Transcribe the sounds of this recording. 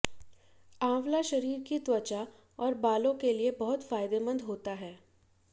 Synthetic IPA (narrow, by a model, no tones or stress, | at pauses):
ãːʋlaʃɐɾiːɾkit̪wɐt͡ʃa | ɔːɾbaːlõkeliebɐɦʊt̪faːɪd̪emə̃nd̪ɦoːt̪aɦɛː